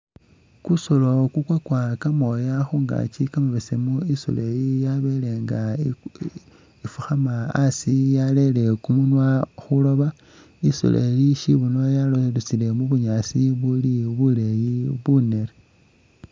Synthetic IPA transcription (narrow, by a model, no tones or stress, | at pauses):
kusolo̞kukwakwakamo̞jaxuŋɡa̰t͡ʃikamaβesemuiso̰lejijaβele̞ŋɡa | ifuxamaasijale̞le̞kumunwaxulo̞βa | iso̰lʔḛliʃiβunojalolut͡sile̞muβuɲaːsiβuliβulejiβuneɾe